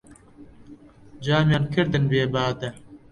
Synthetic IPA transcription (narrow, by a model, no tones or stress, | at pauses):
d͡ʑaːmjɐnkʰiɾd̪ɐnbeːbaːd̪ɐ